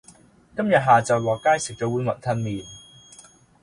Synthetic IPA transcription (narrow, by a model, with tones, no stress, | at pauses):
kɐ˥mjɐ˨t̚ɦaː˨t͡sɐ˨˩wwaː˨kːaː˥jsɪ˨k̚t͡sɔː˧˥wu˨˧˥nmɐ˨n̚t̪ʰɐ˧nmiː˨˩n